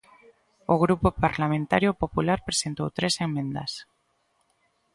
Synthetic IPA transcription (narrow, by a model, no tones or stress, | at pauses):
oɣɾupopaɾlamẽnt̪aɾjopopulaɾpɾesent̪owt̪ɾeseŋmẽnd̪a̰s